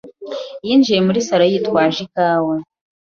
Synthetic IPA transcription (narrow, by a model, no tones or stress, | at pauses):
jiːnd͡ʒije̞muɾisaɾajitwaːʒikaːwa